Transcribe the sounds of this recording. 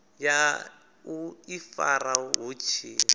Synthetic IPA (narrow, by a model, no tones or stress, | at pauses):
ja | uifa̰ɾaɦut͡ʃʰi